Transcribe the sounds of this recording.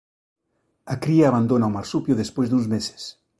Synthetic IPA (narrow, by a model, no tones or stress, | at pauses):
akɾiaːβand̪onawmaɾsupjoðespwezðunzmese̥s